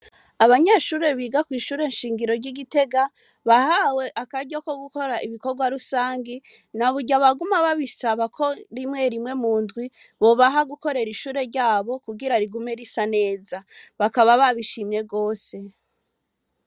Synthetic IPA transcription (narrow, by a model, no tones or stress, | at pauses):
aβaɲaʃuːɾe̞βiːɡakwiːʃuːɾe̞nʃiːŋɡiɾo̞ɾɟiɡite̞ɡa | βahawe̞ʔakaɟoko̞ɡuko̞ɾaʔiβiko̞ɾɡwaɾusaːŋɡi | naβuɟaβaɡumaβaβisaβakʰo̞ɾimŋe̞ɾimŋe̞muːndɡwi | βo̞βaɦaɡuko̞ɾe̞ɾiʃuːɾe̞ɾɟaːβo̞kuɡiɾaɾiɡumeɾisane̞ːzaβakaβaβaβiʃiːmje̞ɡo̞ːse̞